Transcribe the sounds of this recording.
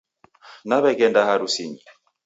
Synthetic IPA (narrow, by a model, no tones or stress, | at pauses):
naβɛɡɛndahaɾusiɲi